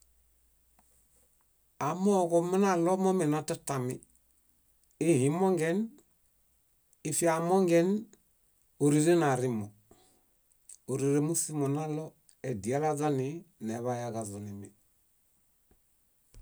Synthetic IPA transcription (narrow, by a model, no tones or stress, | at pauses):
amokominalomomenatatami | ihimoŋɡen | ifiamoŋɡen | uɾiɾenaɾimo | uɾiɾemusimonalo | edialazanineβajakazunimi